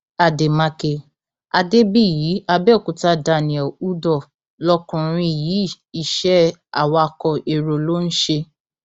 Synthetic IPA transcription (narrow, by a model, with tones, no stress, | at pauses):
a˨de˨mã˧ke˧ | a˧de˦bi˦˨jiː˨˦a˧bɛ˦˨kũ˨ta˧˦da˧˨nĩ˨ɛ˨u˦dɔ˦˨ | lɔ˦kũ˨ɾ̃ĩ˧i˨jiː˨˦˨ | i˨ʃɛ˦a̰˨wɔ˧a˧kɔ˧e˨ɾo˨lo˦n̩˦ʃe˧